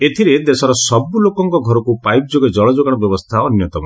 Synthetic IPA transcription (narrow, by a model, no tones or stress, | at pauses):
et̪ʰiɾed̪esɔɾɔsɔbulokɔŋkɔɡʱɔɾɔkupajp̚d͡ʒoɡed͡ʒɔɭɔd͡ʒoɡaɽ̃ɔbjɔbɔst̪ʰaɔnjɔt̪ɔmɔ